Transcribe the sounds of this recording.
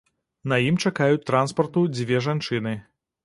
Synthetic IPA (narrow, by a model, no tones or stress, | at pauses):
nɐjimt͡ʂakajut͡sʲt̪ːɾanspɐrt̪ud͡zʲvʲɛʐant͡ʂɨnɨ